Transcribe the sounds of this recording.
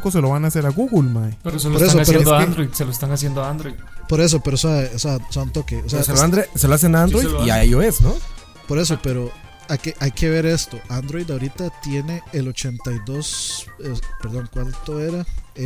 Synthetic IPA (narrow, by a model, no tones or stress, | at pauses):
kos̬e̞loβanaːse̞ɾaɣuɣulmaepeɾosepoɾessoaspeeodoand̪ɾojd̪seloest̪aŋasjend̪oand̪ɾojd̪po̞ɾe̞s̬opeɾosaoseasant̪o̞keoseaaseloand̪ɾeseloas̬enaand̪ɾojiaajoesno | po̞ɾe̞s̬o̞pe̞ɾo | akeʔajkʰe̞βe̞ɾe̞st̪oʔand̪ɾo̞jðaoɾit̪at̪je̞ne̞elot͡ʃe̞nt̪ajðo̞sepeɾðo̞ŋkwant̪o̞eɾa